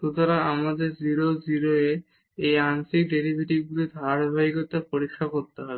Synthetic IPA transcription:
t̪ut̪ʰɔɾaamad̪eɾd͡ʑiɾoziɾoe | ejansik̚ɖeɾibʱiʈiɡulid̪ʱaɾbʱaikot̪apoɾikʰːakoɾt̪eɦɔbe

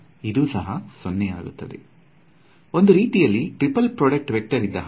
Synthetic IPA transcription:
id̪uːsɐɦɐsonːeja̰ːɡṵt̪ːɐd̪ḛ | o̞nd̪uɾiːʈijɐlːiʈɾipɐlpɾoːɖɐk̚ʈʋek̚ʈɐɾid̪ːɐɦ

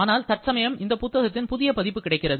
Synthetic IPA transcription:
aːnaːlt̪ɐʈ̚sɐmɐjɐmɪnd̪ɐpʊt̪ːɐɣɐt̪ːɪnpʊðɪjɐpɐðɪpːɯkːɪɽɐɪkːɪrɐðɯ

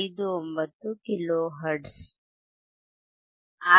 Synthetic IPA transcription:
id̪ombət̪ukiloɦəɾɖs | a

